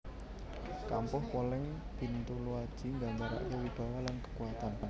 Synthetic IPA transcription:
kampʊhkolɪŋ | b̥i̤nt̪uluad̥ʒ̥i̤ŋɡaɲt͡ʃaɾa̰ʔkewib̥a̤walankə̥kuat̪an

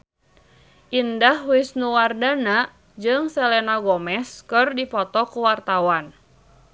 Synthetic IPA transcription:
ʔindahwɪsnuwardana | d͡ʒɨŋsɛlɛnaɡɔmɛskɨrdipɔt̪ɔkuwart̪awan

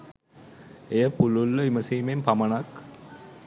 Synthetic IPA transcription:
ejəpululːəiməsiːmempamənak

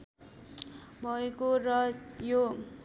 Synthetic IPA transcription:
bʱʌekorʌjo

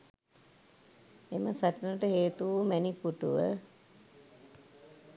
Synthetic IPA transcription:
eməsaʈənəʈəɦeːt̪uumænikuʈuʋə̰

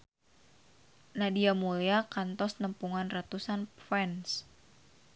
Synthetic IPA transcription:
nadiamulɛakant̪ɔsnəmpuŋanrat̪usanfɛns

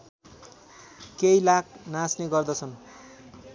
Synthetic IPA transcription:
kejlak̚ʰnasneɡʌrd̪ʌt͡sʰʌn

